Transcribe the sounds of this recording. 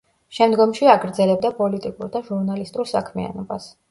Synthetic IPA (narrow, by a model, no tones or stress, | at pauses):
ʃɛmd̪ɡɔmʃiaɡɾd̪zɛlɛb̚d̪apʼɔlit̪ʼikʼuɾd̪aʒuɾnalist̪ʼuɾsakʰmia̰nɔbas